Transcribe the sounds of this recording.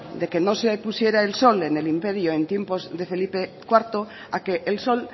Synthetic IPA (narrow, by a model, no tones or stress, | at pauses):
d̪e̞kenosepusje̞ɾaelso̞lenelimpe̞ɾjoẽ̞nt̪je̞mpozðe̞fe̞lipekwaɾt̪o | akeʔːlso̞l